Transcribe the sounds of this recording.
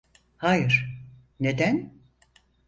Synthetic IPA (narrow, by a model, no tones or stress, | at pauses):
hajɯɾ̥ | ned̪æn